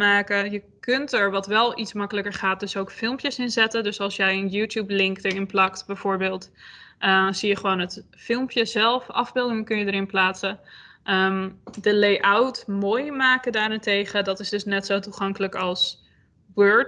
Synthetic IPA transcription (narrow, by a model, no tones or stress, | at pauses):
maːkəjəkɵntɛɹʋɑtʋɛlˠitsmɑkələkəɹχaːt̚dɵsowkfɪlˠmpjəsɪnzɛtəndɵsɑlˠsjɛjənjuːtjublɪŋkdəɹɪnplɑktbɛjvoːɹbɪːlˠtʔəz̥ijəχəʋownɦətfɪlˠmpjəzɛlˠfɑ̰vbɪlˠdɪŋəkɵnjədəɾɪnplaːtsəʔədəlejʔawtmoːjmaːkədaːɾɛntejχədɑtɪsdɵsnɛtsowtuχɑŋkələkɑlˠs | wøɹt